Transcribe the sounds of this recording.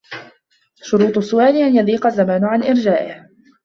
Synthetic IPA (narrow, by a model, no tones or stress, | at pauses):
ʃʊɾuːt̪ˤʊsːʊʔaːlɪʔanjaðiːqɑzːamaːnʊʕanʔɪɾd͡ʒaːʔɪh